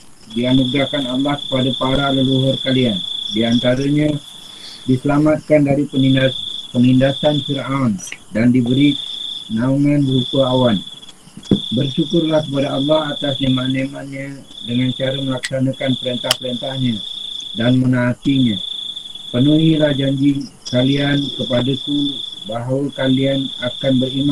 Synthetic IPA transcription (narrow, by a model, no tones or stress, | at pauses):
dianuɡɾakanɑlːɑhkə̥padapaɾaləluɦʊrkaliandiant̪aɾəɲa | disəlamat̪̚kandaɾipəninpənindasanfiɾʔandandibəɾinauŋanɾukəawan | bərʃukʊrlahkəpadaɑlːɑhat̪asɲəmanemanɲa | dəŋant͡ʃaɾaməlaksanakanpəɾənt̪ahpəɾənt̪ahɲadanmənat̪iɲa | pənuɦilahd͡ʒaɲd͡ʒi | kaliankəpadakubaɦawakalianakanbəɾima